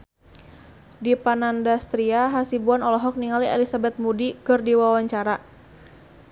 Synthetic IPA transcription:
dipanandast̪ɾiaɦasibuanɔlɔɦɔk̚niŋaliɛlisabɛt̪̚mudikɨrdiwawaɲt͡ʃaɾa

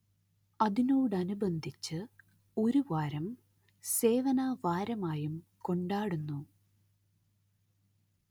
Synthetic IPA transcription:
ɐðinoːɽɨɐnubɐnd̪ʱit͡ɕːɨ | o̞ɾuʋaːɾɐm | se̞ːʋɐnaʋaːɾɐmaːjumko̞ɳɖaːɽunːu

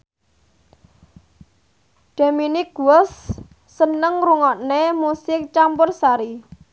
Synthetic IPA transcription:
ɖ̪̥a̤miniɡuɔsː | ənəŋɾuŋɔʔnemusɪk̚t͡ʃampʊrsaɾi

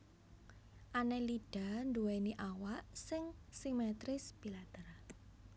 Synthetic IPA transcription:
ʔaneliɖ̥a̤nduweniʔawaʔsɪŋsimɛt̪ɾɪsb̥ilat̪ər

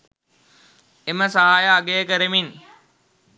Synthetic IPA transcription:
eməsaɦaːjaːɡejəkəɾəmin

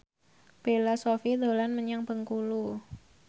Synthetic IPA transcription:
b̥elasofid̪olanməɲaŋpəŋkulu

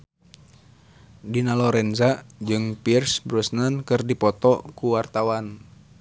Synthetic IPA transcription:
dinalɔɾɛnzad͡ʒɨŋpirsbɾɔsnankɨrdipɔt̪ɔkuwart̪awan

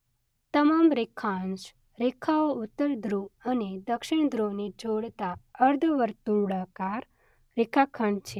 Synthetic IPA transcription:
t̪əmamɾekʰãnʃ | ɾekʰaoʊt̪ːəɾd̪ʱɾuəned̪əkʃɪɳ̃d̪ʱɾoned͡ʒoɽt̪aəɾd̪ʱʋəɾt̪ũɽakaɾ | ɾekʰakʰəɳt͡ʃʰe

